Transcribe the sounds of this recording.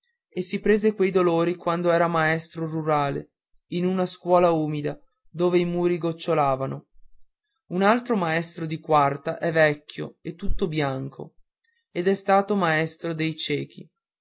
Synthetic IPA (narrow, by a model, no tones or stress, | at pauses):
esːipɾeːzekwejd̪oloːɾikwand̪oɛːɾamaɛst̪ɾoruɾaːlḛ | inunaskwɔːlauːmid̪a | d̪oːveimuːɾiɡot͡ʃːolaːvano | unalt̪ɾomaɛst̪ɾod̪ikwart̪aʔɛvɛkːjo̰et̪ːut̪ːobjaŋkʰo̰ | ed̪ɛst̪aːt̪omaɛst̪ɾod̪ejt͡ʃɛːk̟ḭ